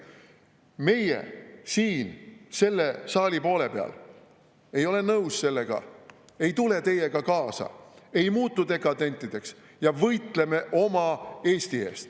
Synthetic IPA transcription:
me̞jḛsiːnse̞lːe̞sɑːlʲipo̞ːle̞peɑ̰l | e̞jo̞le̞nɤwsse̞lːe̞ɡ̥ɑ̰ | e̞jt̪ule̞t̪e̞je̞ɡ̥ɑkɑːsɑ̰e̞jmuːt̪ːˑut̪e̞kˑɑd̪e̞nʲt̪ˑːid̪̥e̞ks | jɑvɤjt̪le̞me̞ʔo̞mɑe̞ːst̪ie̞̰ːst̪

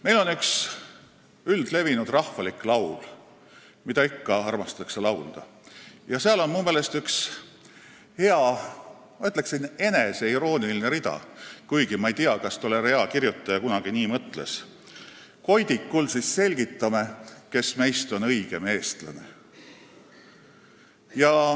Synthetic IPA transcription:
me̞jlo̞nyks | yld̪̥le̞vinud̪̥rɑhfɑlikˑlɑwl | mid̪ɑikːɑɑrmɑst̪ɑˑɑkse̞lɑwld̪̥ɑ̰ | jɑseɑlo̞nmumeːle̞st̪yks | he̞ɑ | mɑyt̪ːˑle̞ksine̞ne̞se̞iɾo̞ːnilineɾid̪ɑ̰kujɡ̥imɑejt̪iɑkɑst̪oleɾe̞ɑkirjut̪ːˑɑjɑkunɑɡ̥iniːmɤt̪ˑle̞̰s | ko̞jd̪̥ikːulsisːe̞lʲɡit̪ˑːɑme̞ke̞sme̞jst̪o̞nɤ̞jɡ̥e̞me̞ːst̪lɑ̰ne̞̰ | jɑ

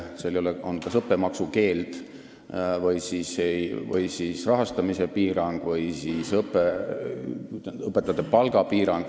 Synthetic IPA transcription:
selejoleonkɑsɤpːe̞mɑksuke̞ːlt̪ | vɤjsiːsejvɤ̰jsiːsrɑɦɑst̪ɑmise̞piːɾɑŋɡ̥vɤjsiːsɤpːˑe | ɤpːˑet̪ːˑɑt̪ːˑepɑlɡ̥ɑpiːɾɑŋɡ̥

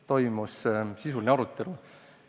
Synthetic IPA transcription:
t̪o̞jmussisulineɑɾut̪ːˑe̞lu

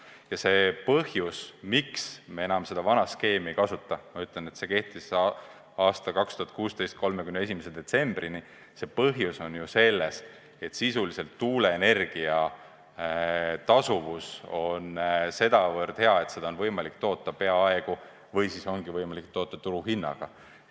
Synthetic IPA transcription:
jɑse̞pɤhjusmiksmee̞nɑmse̞d̪̥ɑvɑnɑske̞ːmikɑsut̪ːˑɑmɑyt̪ˑlenet̪se̞ke̞ht̪is | ɑːst̪ɑkɑkst̪uhɑt̪kuːst̪ejst̪̚ko̞lmekymnee̞s̬ʲimesed̪̥e̞t̪se̞mb̥rini | se̞pɤɦjuso̞njuse̞lːe̞s | e̞t̪sisulise̞lt̪ːuːle̞ːne̞rɡ̥iɑ | t̪ɑsuvuso̞nse̞d̪ɑvɤrd̪̥he̞ɑe̞t̪se̞d̪ɑonvɤ̞jmɑlikt̪o̞ːt̪ːˑɑpe̞ɑɑeɡ̥u | vɤjsiso̞ŋɡ̥ivɤjmɑlik̚t̪o̞ːt̪ːˑɑt̪uɾuɦinːɑ̰ɡ̥ɑ̰

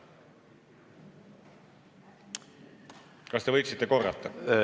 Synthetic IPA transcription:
kɑst̪e̞vɤjksit̪ːeko̞rːɑ̰t̪ːɑ

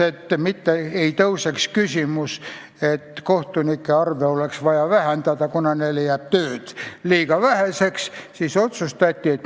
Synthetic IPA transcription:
et̪ːmit̪ːeeit̪ɤusekskysʲimus | et̪koht̪unikːeɑrʋeoleksʋɑjɑʋæhænt̪æt̪ɑkunɑnelejæp̚t̪øːt̪liːkɑʋæhæsekssisot̪sust̪ɑt̪ʲːiet̪

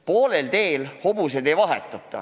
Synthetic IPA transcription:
poːlelt̪e̞ːlho̞b̥used̪e̞jvɑɦḛt̪ːˑɑt̪ˑːɑ̰

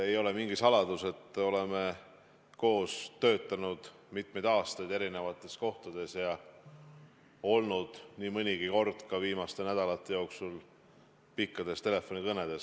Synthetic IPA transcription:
e̞jo̞le̞miŋɡ̥isɑlɑd̪̥use̞t̪ːˑo̞le̞me̞ | ko̞ːst̪ø̞ːt̪ːˑɑnud̪̥ | mit̪me̞jd̪ɑːst̪ɑjd̪e̞ɾine̞vɑt̪ːˑe̞sko̞ht̪ɑd̪̥e̞sjɑ | o̞lnud̪̥niːmɤnʲiɡ̥iko̞rd̪̥kɑviːmɑst̪e̞næd̪̥ɑlɑt̪ˑːe̞jo̞ːksul | pikːɑd̪̥e̞st̪e̞le̞fo̞nʲikɤne̞d̪̥e̞s

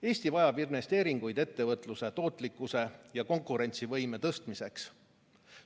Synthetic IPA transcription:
e̞ːsʲt̪ivɑjɑbirne̞st̪e̞ːɾiŋɡ̥ujd̪̥e̞t̪ːe̞vɤt̪ˑluse̞t̪o̞ːt̪ˑlikːˑuse̞jɑko̞ŋkˑuɾe̞nʲt̪sivɤjme̞t̪ɤst̪mise̞ks

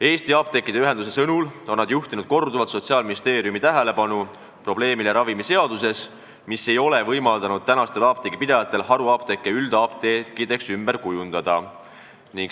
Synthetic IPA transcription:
e̞ːst̪iɑp̚t̪e̞kːˑid̪̥e̞yɦe̞nd̪̥us̬e̞sɤnulo̞nːɑd̪juht̪inud̪̥ko̞rd̪uvɑt̪so̞t̪siɑːlminist̪e̞ːɾijumit̪æɦele̞pɑnu | pro̞b̥le̞ːmileɾɑvimise̞ɑd̪̥use̞s | misːe̞jo̞le̞vɤjmɑld̪̥ɑnud̪̥̚t̪ænɑst̪e̞lɑːp̚t̪eɡ̥ipid̪ɑjɑt̪ːˑe̞lhɑɾuɑːp̚t̪e̞kːˑeyld̪̥ɑːp̚t̪ekːˑid̪e̞ksymb̥e̞ɾkujund̪̥ɑd̪̥ɑ | niŋɡ

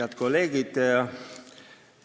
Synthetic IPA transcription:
ɑt̪̚koleːɡit̪ɑ

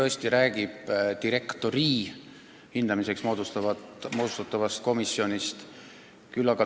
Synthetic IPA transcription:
ɤesʲt̪iɾæːɡ̥ib̥d̪̥iɾe̞kt̪o̞ɾiː | hind̪̥ɑmise̞ksmod̪uɑmoːd̪u̥st̪ɑt̪ːˑɑvɑst̪̚ko̞misjo̞nʲist̪ | kylːɑɡɑ

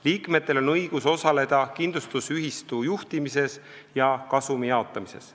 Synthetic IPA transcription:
liːkme̞t̪ːˑe̞lo̞nɤjɡ̥uso̞sɑle̞d̪̥ɑkind̪lust̪usyɦist̪uːjuht̪imise̞s | jɑkɑsumijɑo̞t̪ˑːɑmise̞̰s

